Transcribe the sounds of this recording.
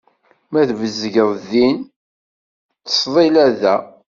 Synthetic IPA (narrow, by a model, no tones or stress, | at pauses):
mæθvəzʝəðˤðin | θə̥sðˤilæðæ